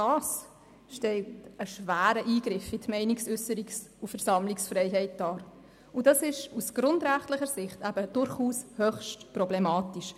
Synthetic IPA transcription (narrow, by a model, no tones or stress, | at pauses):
ɑːs | ʃtɛltəʃvæːɾəʔiːɡɾɪfɪtmɛɪniksʏsəɾiksufɛɾsɑmliksfɾɛɪɦɛɪt̚d̥ɑːɾ | ʊdɑsɪʃusɡ̥ɾʊndɾæχtləχəɾsɪχtæb̥əd̥ʊɾχuːshœχʃtprɔblɛmɑːtiʃ